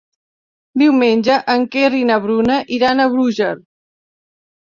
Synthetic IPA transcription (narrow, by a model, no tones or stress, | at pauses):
d̪iwmenʲʒəʔəŋkerinəβɾunəʔiɾanəβɾuʒəɾ